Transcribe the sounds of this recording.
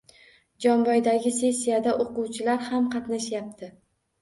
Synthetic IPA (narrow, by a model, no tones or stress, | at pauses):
d͡ʒɒnbɒjd̪aɡʲɪse̞sːijad̪aʔoquwt͡ʃʰɪlaɾhamqʰɑt̪naʃjap̚t̪ʰɪ